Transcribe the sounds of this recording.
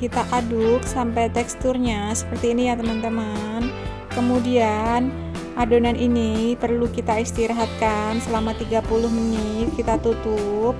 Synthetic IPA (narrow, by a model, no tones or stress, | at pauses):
kit̪aʔadʊk̚sampajt̪ɛkst̪ʊrɲasə̥pərt̪iːnijat̪əmant̪əmən | kəmudian | ʔadonaninipərlukit̪aist̪iɾaɦat̪̚kansəlamat̪iɡapulʊhmənɪt̪̚kit̪at̪ut̪ʊp̚